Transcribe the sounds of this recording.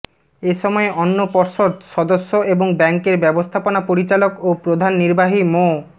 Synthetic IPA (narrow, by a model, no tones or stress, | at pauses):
eʃɔmɔeʔɔnːopɔɾʃod̪ʃɔd̪oʃːoʔeboŋbɛŋkeɾbɛbost̪ʰaponapoɾit͡ɕalokopɾod̪ʱanːiɾbaɦimo